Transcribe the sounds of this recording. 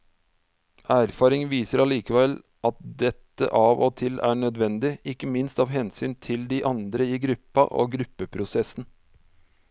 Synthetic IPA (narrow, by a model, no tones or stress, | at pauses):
æːɾfɑːɾɪŋʋiːsəɾɑliːkəʋɛl | ʔɑt̪̚d̪ɛt̪ːə̰ʔɑːʋo̰ːt̪ʰɪlæ̰ːɳœd̪ʋɛnd̪ɪɪkːəmɪnst̪ɑːʋɦɛnsyːnt̪ʰɪld̪iːʔɑnd̪ɾəiːɡɾʉpːɑ̰ʔo̰ːɡɾʉpːəpʰɾʊsɛsn̩